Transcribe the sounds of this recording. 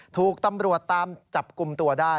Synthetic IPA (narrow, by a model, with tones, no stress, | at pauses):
t̪ʰuː˨˩k̚t̪a˧mɾu˨˩ət̪ːaː˧mt͡ɕa˨˩p̚ku˨˩mt̪u˧ɐdaː˥˩